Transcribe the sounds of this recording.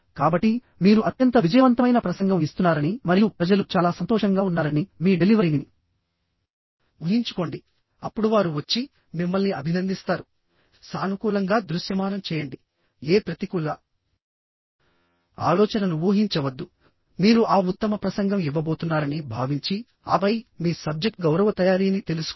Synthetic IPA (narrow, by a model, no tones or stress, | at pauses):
kaːbɐʈːi | miːɾuʔɐt̪jɐnt̪ɐʋid͡ʒɐjɐʋɐnt̪ɐmɐjnɐpɾɐsɐŋɡɐmist̪unːaːɾɐnimɐɾijupɾɐd͡ʒɐlut͡ʃaːlaːsɐnt̪ɔːʂɐŋɡaːunːaːɾɐnimiːɖeliʋɐɾini | ʋuɦiɲt͡ʃu̥ko̞ːɳɖi | ɐpːuɽuʋaːɾuʋɐt͡ʃːi | mimːɐlniɐbʱinɐnd̪ist̪aːɾu | saːnukuːlɐŋɡaːd̪ɾusjɐmaːnɐmt͡ʃɛːjɐɳɖi | eːpɾɐt̪ikulːa | a̰ːlɔːt͡ʃɐnɐnuʋuːɦiɲt͡ʃɐʋɐd̪ːu | miːɾuʔaːut̪ːɐmɐpɾɐsɐŋɡɐmiʋːɐbo̞ːt̪unːaːɾɐnibʱaːʋiɲt͡ʃi | ɐ̰bɐjmiːsɐb̚d͡ʒek̚ʈ̚ɡɐwɾɐʋɐt̪ɐjaːɾijɐnit̪e̞lusu̥